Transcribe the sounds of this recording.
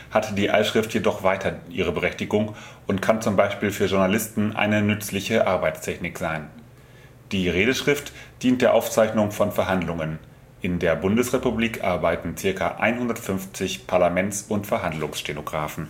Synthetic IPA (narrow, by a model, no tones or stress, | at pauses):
hatd̥iːʔa̰ɪʃʁ̥ɪftjedɔχv̥aɪtʰɐʔiːʁ̞əbəʁɛçtɪɡʊŋʔʊntkʰant͡sʊmbaɪʃpiːlfyːɐʒʊɐnalɪstn̩ʔa̰ɪnənʏt͡slɪçəʔaɐbaɪt͡stʰɛçnɪkz̥aɪn | d̥iːʁeːdəʃʁ̥ɪftd̥iːnt̚d̥eːɐʔaʊft͡saɪçnʊŋfɔnfɛɐɦandlʊŋən | ʔɪndeːɐbʊndəsʁepubliːkʔa̰ɐbaɪtn̩t͡sɪɐkʰɐ̰ʔa̰ɪnhʊndɐtfʏnft͡sɪçpʰaɐlamɛnt͡sʊntfɛɐɦandlʊŋsʃtenoɡʁaːfn̩